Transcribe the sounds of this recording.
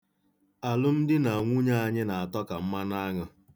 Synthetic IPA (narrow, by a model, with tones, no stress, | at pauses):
a˨lʊ˦m̩˦dɪ˦na˨ŋʷu˦ɲa˦a˦˨ɲɪ˦na˨a˨tɔ˦ka˨m̩˦ma˦na˦ŋʊ˨